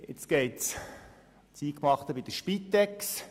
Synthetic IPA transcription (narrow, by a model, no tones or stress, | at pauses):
ɪt͡sɡ̥eɪts | t͡siːkmɑχt̪əbid̥̪əʃpit̪ːɛks